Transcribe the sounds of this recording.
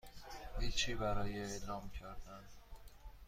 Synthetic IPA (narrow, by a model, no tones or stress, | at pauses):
d̪it͡ʃʰiːbæɾɒːjeelɒːmcʰæɾd̪æn